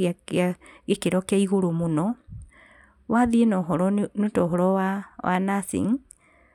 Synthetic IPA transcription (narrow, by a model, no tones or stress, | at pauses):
aaɣekeɾɔkjaiɣoɾomunɔ | waðinɔɦɔɾɔnutɔɦɔɾɔwawa̰nasḭŋ